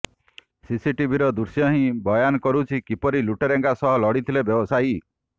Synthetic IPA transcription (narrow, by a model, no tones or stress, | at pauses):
sisiʈibʱiɾɔd̪uɾsjɔɦĩbɔjanɔkɔɾut͡ʃʰikipɔɾiluʈeɾeŋɡasɔɦɔlɔɽit̪ʰilebjɔbɔsai